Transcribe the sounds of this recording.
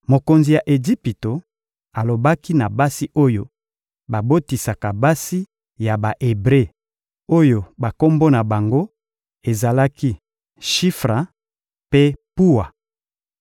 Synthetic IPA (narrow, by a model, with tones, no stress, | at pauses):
mo˨ko˨nzi˨ja˨ʔe˨d͡ʒi˦pi˨to˨ | a˨lo˨ba˦ki˦na˨ba˦si˦ʔo˦jo˦ | ba˨bo˦ti˨sa˨ka˨ba˦si˦ | ja˨ba˨ʔe˨bʁe˦˨ | o˦jo˨ba˨ko˦mbo˦na˨ba˨ŋɡo˦ | e˨za˨la˦ki˦ | ʃi˦fʁa˨ | pe˦pu˦wa˨